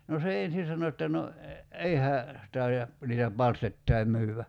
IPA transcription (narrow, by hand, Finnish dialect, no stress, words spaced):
no se en̞sin̞ sɑno etːæ no ei hæː tɑiɑ niːtæ pɑlstetːɑi myːʋːæ